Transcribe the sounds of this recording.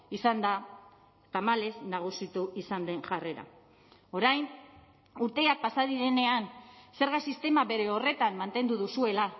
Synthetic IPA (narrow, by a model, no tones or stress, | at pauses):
isand̪a | t̪amale̞znaɣ̞usit̪uisand̪e̞nʝare̞ɾa̰ | o̞ɾajn | uɾt̪e̞ak̚pasaðiɾe̞ne̞anse̞ɾɣasist̪e̞maβe̞ɾe̞o̞re̞t̪ammːant̪e̞nd̪uðusue̞la